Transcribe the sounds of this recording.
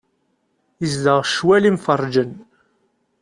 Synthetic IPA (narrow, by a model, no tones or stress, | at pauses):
jəzd̪əʁʃwælimfərˤd͡ʒən